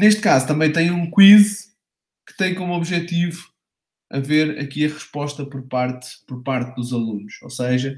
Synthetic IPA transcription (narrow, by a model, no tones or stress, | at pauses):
neʃt̪̚kazut̪ɐmɐ̃j̃t̪ɐ̃j̃ũkwiz | kɨ̥t̪ɐ̃j̃komuɔβʒɛt̪ivu | ɐ̰veɾɐ̰kiɐʁɨʃpɔʃt̪ɐpɔɾpaɾt̪pɔɾpaɾt̪̚ðuzɐlˠunuʃoseʒɐ